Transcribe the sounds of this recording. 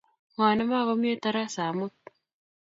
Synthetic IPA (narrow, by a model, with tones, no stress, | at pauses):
ŋaː˨na˦maː˦˨ɣo˦m˦e˦ta˦ɾa˦sa˨mo˦t